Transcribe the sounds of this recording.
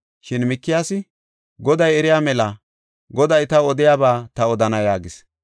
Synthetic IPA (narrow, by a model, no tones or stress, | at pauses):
ʃɪnmɪkːɪjaːsɪ | ɡɔd̪ɐjɛɾɪjaːmɛlɐ | ɡɔd̪ɐjt̪ɐɔd̪ɪjaːbaːt̪ɐɔd̪ɐnɐjaːɡɪs